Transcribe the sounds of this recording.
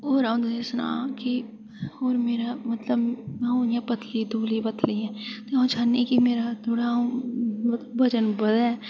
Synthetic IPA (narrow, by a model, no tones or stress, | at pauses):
oːɾaũd̪eːsnã̰ːki | oːɾmeːɾamət̪ləbõjãpət̪ʰlid̪oːlibət̪ʰliɛ̃ːt̪oãt͡ʃʰaːnːekimeːɾat̪ʰoːɽã | t̪bɐd͡ʒənbəd̪ɛː